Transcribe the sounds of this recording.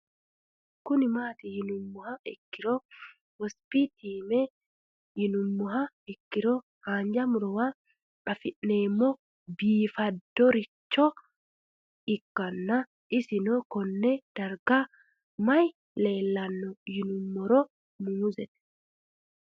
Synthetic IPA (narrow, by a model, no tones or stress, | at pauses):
kʊnɪmaːt̪ɪjɪnʊmːʊhɐɛkːɪɾɔ | wɔspit̪ʰiːmɛ | jɪnʊmːɔɦɐ | ɛkːɪɾɔ | haːnd͡ʒɐmʊɾɔwa | ᶑɐfɪʔneːmːɔ | biːfɐd̪ːɔɾɪt͡ʃːɔ | ɪkːɐnːɐ | ʔɪsɪnɔkɔnːɛd̪̥ɐɾɡa | mɐj | le̞ːlːɐnːɔjɪnʊmːɔɾɔ | muːzɛt̪ɛ̥